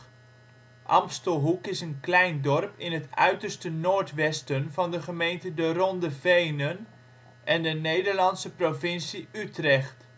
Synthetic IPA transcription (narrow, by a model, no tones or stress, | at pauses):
ʔɑ̰mpstəlˠɦukɪsənklɛjndɔrpɪnɦətœ̰ɥtəɹstənoːɹtʋɛstənvɑndəχəmejntədərɔndəvejnən | ʔɛndənejdəɹlɑnsəprovɪnsiytrɛχt